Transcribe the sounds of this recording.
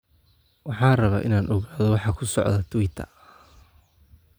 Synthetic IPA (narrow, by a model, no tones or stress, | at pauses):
wɑħɑːrɐβaːʔɪnaːnʔɔɣaːðɔwɑħɑːkʰʊsɔ̰ʕðɐt̪ʰʊwɪt̪ʰɐ̰